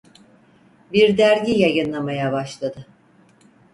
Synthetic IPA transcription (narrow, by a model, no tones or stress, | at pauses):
biɾd̪æɾɟijajɯnlˠamajabaʃlˠad̪ɯ